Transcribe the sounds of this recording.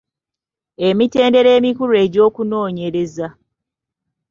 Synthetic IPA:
e̞mite̞ːnde̞ɾe̞ːmikuɾe̞ɟo̞ːkuno̞ːɲe̞ɾe̞za

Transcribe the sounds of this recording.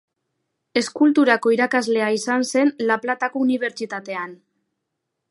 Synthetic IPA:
e̞skult̪uɾako̞iɾakazle̞aisanse̞nlaplat̪ako̞uniβ̞e̞ɾt͡ʃit̪at̪e̞an

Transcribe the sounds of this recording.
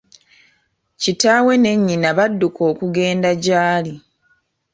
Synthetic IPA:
citaːwe̞ne̞ɲːinaβadːukʰo̞ːkuɡe̞ːndaɟaːli

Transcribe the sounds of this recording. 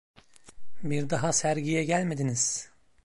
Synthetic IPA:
biɾd̪aɦasæɾɟijɛɟælʲmed̪iniz̥

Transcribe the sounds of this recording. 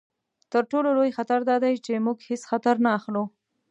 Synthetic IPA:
t̪əɾʈololojxat̪aɾd̪ɑd̪ajt͡ʃemuɡhɪsxat̪aɾnaːxlu

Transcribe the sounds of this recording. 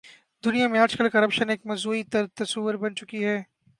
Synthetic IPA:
d̪ʊnijamẽaːd͡ʒkəlkɐɾɐpʃəneːk̚mɐzuːit̪t̪ɐsuːʋəɾbɐnt͡ʃʊkiɦɛː

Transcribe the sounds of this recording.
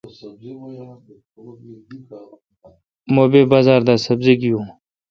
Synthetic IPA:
moːbeːbaːzaːɾd̪aːsəbzeɡijũː

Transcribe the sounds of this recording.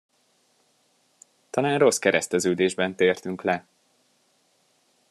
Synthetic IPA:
t̪ɒlaːnro̞skɛɾɛst̪ɛzøːd̪eːʒbɛnt̪eːrt̪yŋklɛ

